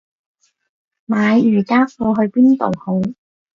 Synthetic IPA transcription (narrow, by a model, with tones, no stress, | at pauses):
maː˨˧jyː˨˩kaː˥fɔː˧ɦɵ˧ɥpiː˥nt̪o̰˨who˨˥w